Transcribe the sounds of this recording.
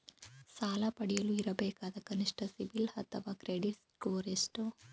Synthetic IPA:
saːlɐpɐɽijɐluiɾɐbeːkaːd̪ɐkɐniʂʈɐsiʋilhɐt̪ːɐʋɐkɾeːɖiʈskoːɾesʈu

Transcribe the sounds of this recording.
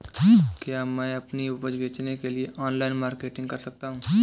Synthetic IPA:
kjaːmɛ̃ːɐpniupəɾbeːt͡ʃnekelieʔɔːnlaːɪnmaːɾkeːʈɪ̃ŋɡ̚kɐɾsɐk̚t̪aːɦũː

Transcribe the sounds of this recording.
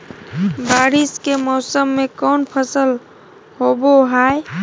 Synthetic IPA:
baɾiskemɔsəmːekɔnpʰəsəl | hoboɦaj

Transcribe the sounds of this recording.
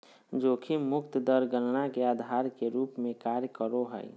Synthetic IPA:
d͡ʒoːkʰimʊkt̪d̪əɾɡənnakeaːd̪ʱaːɾkeɾuːpmẽkaːɾjəkəɾoɦə̰j

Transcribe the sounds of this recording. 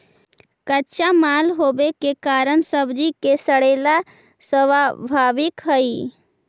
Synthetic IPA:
kətːt͡ʃamalɦoːbekekaːɾəɳsəbd͡ʒikesəɽela | səʋabʱaʋɪkɦəi

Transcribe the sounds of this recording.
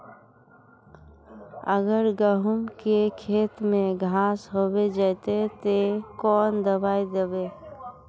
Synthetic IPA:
ə̰ɡəɾɡəɦʊmkekʰeːt̪mẽɡʱãːsɦoːbed͡ʒət̪et̪ekɔːnd̪əbaːid̪ebeː

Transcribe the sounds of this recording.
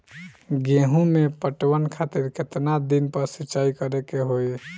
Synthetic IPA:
ɡẽɦũmepəʈwənkʰat̪iɾket̪nad̪inpəɾsiːt͡ʃaikəɾekeɦoj

